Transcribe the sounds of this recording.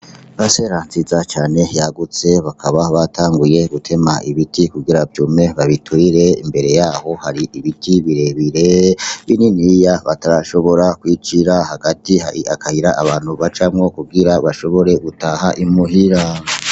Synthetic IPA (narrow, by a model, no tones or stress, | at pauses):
βase̞ɾaːnzizat͡ʃaːne̞jaɡut͡se̞βakʰaβaβatʰaːŋɡuje̞ɡutʰe̞maʔiβitikuɡiɾavjume̞βaβitʰwiɾe̞ḭmbe̞ɾe̞jaːho̞haɾiʔiβitʰiβiɾe̞βiɾe̞βininijaβataɾaʃo̞βo̞ɾakwiːt͡ʃiɾahaɡatiha̰ḭakʰahiɾaʔaβaːn̥huβat͡ʃamŋo̞kuɡiɾaβaʃo̞βo̞ɾe̞ɡutaːɦaʔimuɦiɾa